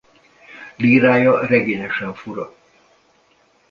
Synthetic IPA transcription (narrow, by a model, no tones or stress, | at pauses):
liːɾaːjɒrɛɡeːɲɛʃɛɱfuɾɒ̰